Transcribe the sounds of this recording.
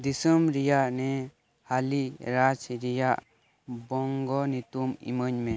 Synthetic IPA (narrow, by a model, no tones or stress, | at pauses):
d̪isəmɾijaʔnɛ | haliɾad͡ʒɾijaʔ | bɔŋɡɔnit̪umḭməɲme